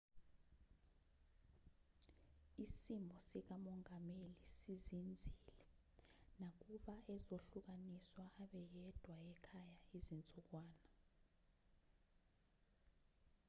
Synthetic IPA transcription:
isimʱɔsik̬amɔŋamelisizind͡zʱilɛ | nak̬uɓaɛzoɬuk̬aniswaːɓɛjɛd̥ʱwaɛkʰajaizint͡sʼuk̬waːna

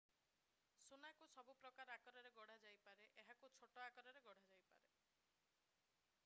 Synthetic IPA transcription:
sunakusɔbupɾɔkaɾakɔɾɔɾeɡɔɽ̤ad͡ʒajpaɾeʔeɦakut͡ʃʰoʈoakɔɾɔɾeɡɔɽ̤ʱad͡ʒajpa̰ɾe

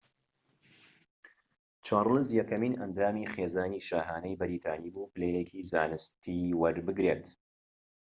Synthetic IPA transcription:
t͡ʃʰaːrlɨzjɛkɐmiːnɐ̰nd̪aːmiːχeːzaːniʃaːɦaːnɐjbɨɾiːt̪ʰaːniːbuːpɨlejekʰiːzaːnɨst̪ʰiwɐɾbɨɡɾeːt̪

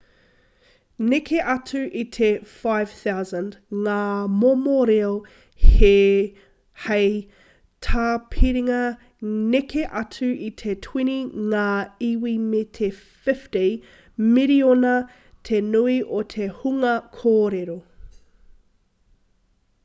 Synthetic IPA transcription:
nekʰeʔɐtʰʉʔit̪ʰefajv̥θawzə̃ndŋaːmomoɾeo | he | hej | tʰaːpʰiɾiŋɐ | nekʰeʔɐtʰʉʔitʰetʰwiniŋaːiwimetʰe | fɪfte | miɾionɐ | tʰenuiʔot̪ʰehuŋɐkʰoːɾeɾo

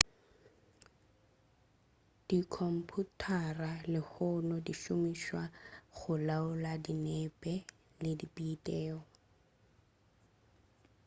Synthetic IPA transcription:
d̥ikʰɔm̩pʰutʰaralɪhʊnɔdiʃʊmiʃwaχʊlaʊladinɛpʼɛ | lɪdipʼiːtʼɛːɔ

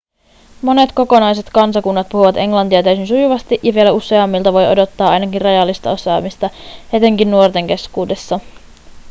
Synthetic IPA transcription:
mo̞ne̞t̪ko̞ko̞nɑjse̞t̪kɑnsɑkunːɑt̪̚puhuʋɑt̪e̞ŋlɑnt̪iɑt̪æysinsujuʋɑst̪iʔjɑʋie̞læuse̞ɑmːilt̪ɑʋo̞jo̞̰do̞t̪ːɑːɑjnɑkinrɑjɑlːist̪ɑ̰o̞sɑ̰ːmist̪ɑhe̞t̪e̞ŋkinːuo̞rt̪e̞ŋk̟e̞skuːde̞sːɑ

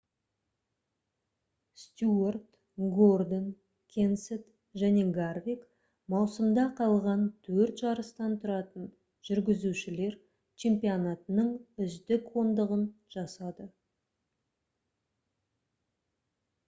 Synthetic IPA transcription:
st̪ʲuort̪ | ɡo̞rd̪on | kʲʰe̞nset̪ | ʒæne̞ɡarvʲik | mɑwsəmd̪ɑqʰɑlˠʁɑnt̪ʰɵɾt̪ʒɑɾəst̪ɑnt̪ʰʊɾɑt̪ən | ʒ̥ʏɾɡʲɪzuʃɪle̞ɾ | t͡ʃʰe̞mpionɑt̪ənəɴʏzd̪ɪkwo̞nd̪əʁənʒ̥ɑsɑd̪ə

